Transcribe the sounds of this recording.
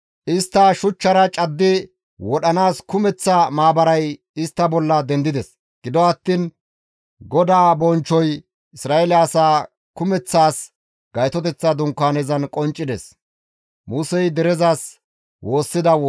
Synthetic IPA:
ʔɪst̪ːɐʃʊt͡ʃːɐɾɐt͡ʃʼɐd̪ːɪ | wɔɗɐnaːskʊmɛt͡sːɐmaːbɐɾɐj | ɪst̪ːɐbɔlːɐd̪ɛnd̪ɪd̪ɛs | ɡ̥ɪd̪ɔɐt̪ːin | ɡɔd̪aːbɔnt͡ʃːɔj | ɪsɾaːʔɛlɛːsaː | kʊmɛt͡sːaːs | ɡ̥ɐjt̪ɔt̪ɛt͡sːɐd̪ʊŋkːaːnɛzɐnkʼɔnt͡ʃʼːɪd̪ɛs | muːsɛjd̪ɛɾɛzaːs | wo̞ːsːɪd̪ɐw

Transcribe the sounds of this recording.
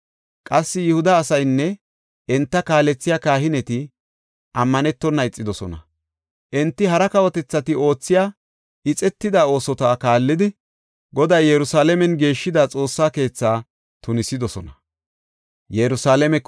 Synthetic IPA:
kʼɐsːɪjɪhʊd̪ɐːsɐjnːɛ | ʔɛnt̪ːɐkaːlɛt͡sːɪjaːkaːɦɪnɛt̪ɪ | ʔɐmːɐnɛt̪ːɔnːɐɪt͡sʼːɪd̪ɔsɔ̰nɐ̰ | ʔɛnt̪ːɪɦɐɾɐkɐwɔt̪ɛt͡sːɐt̪ɪo̞ːt͡sːɪjaː | ɪt͡sʼɛt̪ːɪd̪aːo̞ːsɔt̪aːkaːlːɪd̪ɪ | ɡɔd̪ɐjjɛɾʊsaːlɛmɛnɡe̞ːʃːɪd̪aːt͡sʼo̞ːsːaːke̞ːt͡sːaː | t̪ʊnɪsɪd̪ɔsɔnɐ | jɛɾʊsaːlɛmɛk

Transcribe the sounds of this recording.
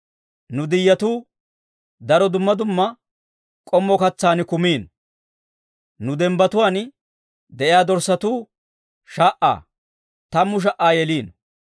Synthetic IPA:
nʊd̪ɪjːɐt̪uː | d̪ɐɾɔd̪ʊmːɐd̪ʊmːɐ | kʼɔmːɔkɐt͡sːaːnɪkʊmiːn | nʊd̪ɛmbɐt̪ʊwaːn | d̪ɛʔɪjaːd̪ɔɾsːɐt̪uː | ʃaːʔa̰ː | t̪ɐmːʊʃ̬ɐʔaːjɛliːn

